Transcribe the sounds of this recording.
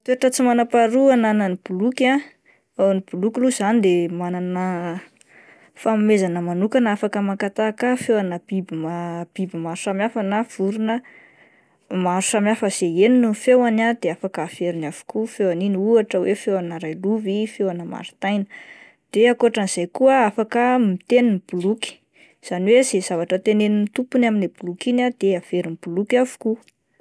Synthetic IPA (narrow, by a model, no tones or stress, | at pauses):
t̪eʈ͡ʂət͡simanapaɾuananənib̥uluka | enib̥ulukiluzanid̪emananə | famimezanəmanukanafakəmakat̪akafewanəb̥ibimab̥ibimaɾusamafanav̥uɾunə | maɾu̥samjafəz̥eeninufewanad̪eafakəːv̥eɾinav̥u̥kufewaniniuaʈ͡ʂəwefewanəɾajluvifewanəma̰ɾu̥t̪ajnə̥ | d̪̥eakoaʈ͡ʂaniz̥ajkuəafakəmit̪eninb̥uluki̥ | z̥aniwez̥ez̥avaʈ͡ʂət̪enenint̪upunaminlebulukinad̪eav̥eɾinib̥ulukavu̥ku